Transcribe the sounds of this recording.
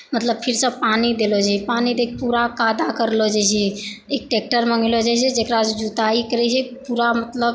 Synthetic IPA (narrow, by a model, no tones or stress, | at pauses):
mət̪ləb̚pʰiɾsə̃bpanid̪elod͡ʒapanid̪ekpuɾakad̪akəɾlod͡ʒajt͡ʃʰɛek̚ʈek̚ʈəɾməŋɡlod͡ʒat͡ʃʰɛd͡ʒekɾad͡ʒd͡ʒut̪aikəɾɛt͡ʃʰɛpuɾamət̪ləb